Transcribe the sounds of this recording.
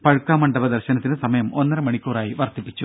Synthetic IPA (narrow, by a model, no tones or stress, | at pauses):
pɐɻkːaːmɐɳɖɐbɐd̪ɐrɕɐnɐt̪ːinsɐmɐjɐmonːɐɾɐmɐɳikʲːoːraːjiʋɐrt̪ipːit͡ɕːu